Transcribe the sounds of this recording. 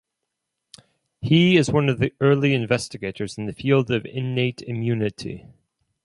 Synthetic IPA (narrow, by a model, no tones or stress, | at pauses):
hiɪzwʌ̃nʌvðiɜ˞lˠiɨ̃ɱvɛstɨɡeɪɾə˞zn̩ðɨfilˠdʌvɪ̰̃nːeɪɾɪmjʉnɨɾʰḭ